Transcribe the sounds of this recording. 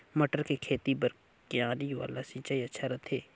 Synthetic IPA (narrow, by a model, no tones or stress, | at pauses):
mɐʈəɾkekʰeːt̪ibɐɾ | kɪjãːlioʋa̰ːlasĩːt͡ʃaːiɐtːʃʰaɾɐt̪ʰeː